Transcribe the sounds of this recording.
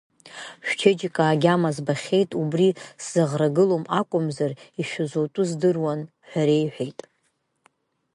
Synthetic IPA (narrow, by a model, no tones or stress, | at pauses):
ʃᶣʷt͡ʃʰed͡ʒikʼaːɡʲamazbaχʲe̞jtʼubriszaʁraɡɨlomakʷʼʊmzariʃᶣazowtʼuzdɨrwan | ħʷᶣaɾe̞jħʷᶣejtʼ